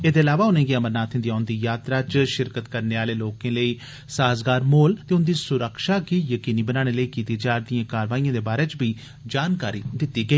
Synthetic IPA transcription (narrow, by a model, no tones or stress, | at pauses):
eːd̪eːəlaːʋaːʊnẽːɡiːəməɾnaːt̪ʰɪ̃nd̪iːaːʊnd̪iːjaːt̪ɾaːt͡ʃʃɪɾkət̪kəɾneːaːleːloːkẽːləiː | saːzɡaːɾmoːlt̪eːʊnd̪iːsʊɾəkʃaːkiːjəkiːniːbənaːɽ̃eːləiːkiːt̪iːd͡ʒaːɾd̪ɪjãːkaːɾʋaːijãːd̪eːbaːɾeːt͡ʃbiː | d͡ʒaːnkaːɾiːd̪ɪt̪ːiːɡəiː